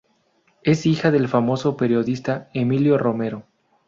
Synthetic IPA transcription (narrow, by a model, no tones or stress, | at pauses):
e̞sixaðe̞lfamo̞so̞pe̞ɾjo̞ðist̪aemiljo̞ro̞me̞ɾo̞